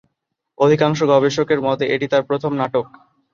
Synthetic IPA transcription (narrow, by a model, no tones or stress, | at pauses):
od̪ʱikaŋʃoɡɔbeʃokeɾmɔt̪eʔeʈit̪aɾpɾot̪ʰomnaʈok